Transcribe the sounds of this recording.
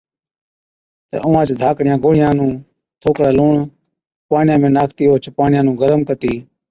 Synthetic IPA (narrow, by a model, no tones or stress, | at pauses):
t̪ḛːʔʊʋãːt͡ʃd̪ʱaːkɽɪjãːɡoːɽ̤ɪjãːnũː | t̪ʰoːkɽaːloːɳ | paːɳɪjãːmẽːnaːkʰt̪iːoːt͡ʃpaːɳɪjãːnũːɡəɾmkət̪iː